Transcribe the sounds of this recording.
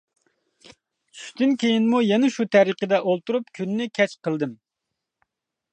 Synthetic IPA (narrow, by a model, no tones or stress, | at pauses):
t͡ʃʰy̥ʃt̪ɪnkʲejinmujɛnɛʃut̪ʰæɾəqəd̪ɛʔolˠt̪uɾupkʲʰynːɪkʲʰɛt͡ʃqʰəlˠd̪ɨm